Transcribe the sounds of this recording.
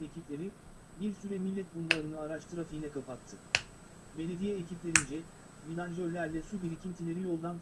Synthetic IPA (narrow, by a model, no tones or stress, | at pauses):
ecʰiplʲe̞ɾi | biɾsyɾɛmilʲːɛt̪̚bunblˠaɾɯnɯaɾaʃt̪ʰɯɾafilʲɛkʰapat̪ʰːɯ | be̞lʲe̞d̪ijɛecʰiplʲe̞ɾind͡ʒɛ | milʲand͡ʒølʲːæɾlʲɛsubiɾicʰʲimt̪ʰelʲe̞ɾijo̞lˠd̪an